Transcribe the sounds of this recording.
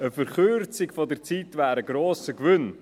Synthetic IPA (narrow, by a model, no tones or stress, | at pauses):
əfəɾχʏɾt͡sɪɡfɔdəɾt͡siːtvæːɾəɡɾoːsəkvʏn